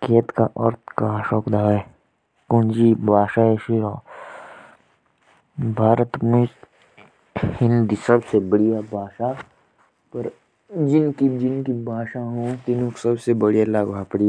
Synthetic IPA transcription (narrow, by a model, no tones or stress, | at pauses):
keːt̪kaʔɔɾt̪kaʃɔːkd̪aːʋe | kʊ̃nd͡ʒibʱaːʃaeʃiɾoː | bʱaːɾət̪mʊs | hɪnd̪isɐbsebɐɽijabʱaːʃa | pɐɾ | d͡ʒɪnkid͡ʒɪnkibʱaːʃaɦũt̪ɪnõksɐbsebɐɽijalaːɡbʱaːpɽi